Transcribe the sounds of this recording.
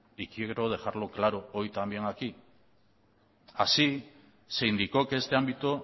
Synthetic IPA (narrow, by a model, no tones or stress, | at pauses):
ikieɣɾoð̞e̞xaɾlo̞klaɾo̞ojt̪ambjeŋaki | asi | se̞jnd̪iko̞ke̞st̪e̞ambit̪o̞